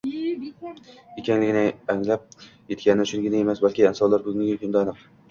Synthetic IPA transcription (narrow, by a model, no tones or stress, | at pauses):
ekʲʰaŋlɪɡʲɪnɪaŋlap̚je̞t̪kʲanɪɪʃʊnɡʲɪnaemasbalkʲɪansɒlaɾbɵznɪɡʲɪkʰʲʊnd̪anɪq